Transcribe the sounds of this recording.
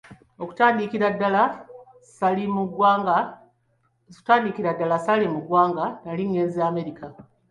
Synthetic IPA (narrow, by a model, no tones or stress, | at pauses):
oku̥taːndikiɾadːala | salimuɡwaɡa | taːndikiɾadːalasalimuɡwaːŋɡanaliŋɡe̞ːnzijaːme̞ɾika